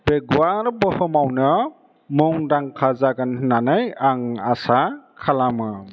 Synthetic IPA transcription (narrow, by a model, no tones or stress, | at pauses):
beɡwaɾbɯhɯmawnɯ | muŋdaŋkʰazaɡanhɯnanajaŋasakʰalamɯ